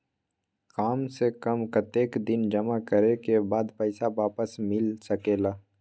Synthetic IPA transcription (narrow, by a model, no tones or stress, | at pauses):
kaːmsekɐmkət̪eːkd̪ɪnd͡ʒɐmakəɾekebaːd̪pɛɪsaʋaːpəsmɪlsɐkeːlaː